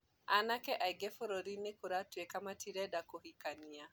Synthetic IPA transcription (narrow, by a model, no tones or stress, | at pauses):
anakɛʔaiɡɛfoɾoɾinekuɾatwekamatiɾɛdakohikania